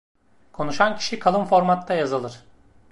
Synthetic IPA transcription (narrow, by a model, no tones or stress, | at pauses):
kʰo̞nuʃancʰi̥ʃikʰalˠɯnfo̞ɾmat̪ʰːajazɯlˠɯɾ̥